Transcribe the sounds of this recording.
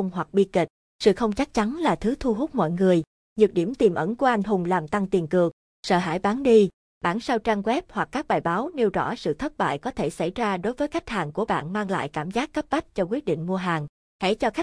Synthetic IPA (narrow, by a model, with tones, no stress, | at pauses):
ə˧wŋ͡mɦwa˨˩k̚ɓi˧ki˨˩k̟̚ | sɨ̰˧˨xə˧wŋ͡mt͡ɕa˦˥k̚t͡ɕa˨˦nlaː˨˩t̪ʰɨ˨˦t̪ʰu˧ɦu˦˥k͡p̚mɔ̰˧˨jŋɨ˨˩əj | ɲɨ˨˩k̚ɗi˧˩əmt̪i˨˩mʔə˧˩nku˧˩˧əʔa˧jŋ̟ɦʊ˨˩ŋ͡mlaː˨˩mt̪a˧ŋt̪i˨˩ənkɨ˨˩ək̚ | sə̰ː˧˨ɦa̰ː˧˩jɓaː˨˦nɗi˧ | ɓaː˧˩nsaː˧wt͡ɕaː˧ŋɣwɛ˦˥p̚hwa˨˩kːaː˦˥k̚ɓaː˨˩jɓaː˨˦wni˧əwzɔ̰˧˥sɨ̰˧˨t̪ʰə˦˥t̚ɓa̰ː˧˨jkɔ˨˦t̪ʰe˧˩sa˧˩jzaː˧ɗo˨˦jvəː˨˦jka˦˥k̟̚haː˨˩ŋku˧˩əɓa̰ː˧˨nmaː˧ŋla̰ː˧˨jkaː˧˩mzaː˦˥kːə˦˥p̚ɓa˦˥k̟̚t͡ɕɔ˧k̬wi˦˥ət̚ɗḭ˧˨ŋ̟mu˧əɦaː˨˩ŋ | hḛ˧˥t͡ɕɔ˧xa˦˥